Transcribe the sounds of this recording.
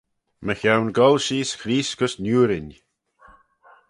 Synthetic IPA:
məxawnɡɔlʃiːskɾiːskʊsnuːɾɪnʲ

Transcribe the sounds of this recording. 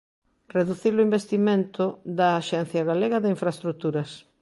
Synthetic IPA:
reðuθilʊimbest̪imẽnt̪ʊðɐːʃɛn̟θjɐɣaleɣɐðɪiɱfɾaest̪ɾut̪uɾɐs

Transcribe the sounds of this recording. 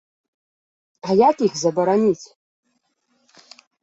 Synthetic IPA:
ajakixzaboɾanʲitʲ

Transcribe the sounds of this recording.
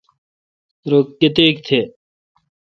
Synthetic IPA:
ɾoːkːet̪eːk̚t̪ʰeː

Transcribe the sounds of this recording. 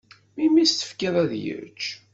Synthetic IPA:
mimist̪ə̥fkiðˤæðjə̰ɾt͡ʃː

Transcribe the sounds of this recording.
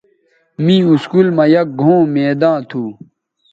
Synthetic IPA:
mĩuskulmɐjɐk̚ɡʱõːmeːd̪ãːt̪ʰuː

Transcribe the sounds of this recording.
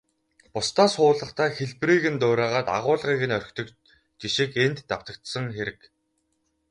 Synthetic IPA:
pʊst̪aːsχʊːɮə̆χt̪ʰæːxeɮpriːɣɘ̆nt̪ʊːɾæːʁaːt̪a̰ʁʊːɮʁiːɣɘ̆nœr̆ʲkʲt̪ʰɵ̆k | t͡ɕiʃɪ̆kent̪ːaw̥t̪ə̆k̚t̪sə̆ŋxeɾɘ̆k

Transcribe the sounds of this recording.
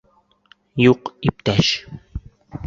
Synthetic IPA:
joqip̚t̪aʃ

